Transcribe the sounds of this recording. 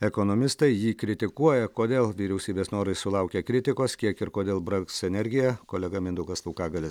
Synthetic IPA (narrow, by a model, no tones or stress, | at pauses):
ɛkoːnoːmʲɪst̪ɐɪjiːkɾʲɪt̪ʲɪkuɔjɛkoːd̪ʲeːlˠʋʲiːɾʲɛʊsʲiːbʲeːsnoːɾɐɪsʊlˠɐʊkʲekɾʲɪt̪ʲɪkoːskʲiɛkɪɾkoːd̪ʲeːlˠbɾɐksɛnʲɛɾʲɡʲɪjɛkoːlʲɛɡɐmʲɪnd̪ʊkɐslˠuːkɑːɡɐlʲɪs